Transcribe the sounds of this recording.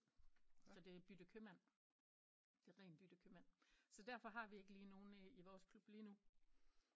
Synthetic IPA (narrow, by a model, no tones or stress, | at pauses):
sɒ̽d̥e̝b̥yd̥əkʰømæn̰ | d̥e̝ʁɛ̰ːnb̥yd̥əkʰømæn̰sɒ̽d̥æɐ̰fɒ̽ɦɑ̈ʋie̝ɡ̥əliːno̝ːn̩iʋɒːskʰlub̥liːnu